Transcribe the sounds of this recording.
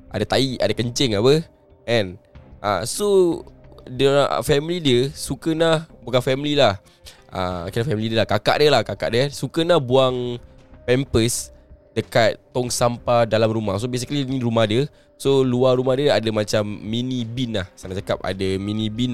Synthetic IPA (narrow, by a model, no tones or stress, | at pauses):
ʔadat̪aiʔadakəɲt͡ʃɛŋapə | ʔɛnʔa̰so | də̰fɛmilidiəsukənahbukanfɛmililah | ə̰akinafɛmilidəlahkaka̰ʔdəlahkaka̰ʔdəsukənahbuaŋpɛmpəs | dəkat̪t̪ːɔŋsampadalamrumahs̬obes̬ikliniɾumahdiə | soluarumahdiəadamat͡ʃamːinibinahsanaʔt͡ʃakap̚a̰damĩnĩbin